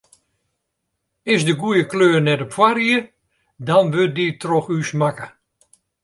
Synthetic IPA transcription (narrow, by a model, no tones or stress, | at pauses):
ɪsdəɡujəkløːrnɛtopfwariə | dɔnʋøt̚ditroxysmakə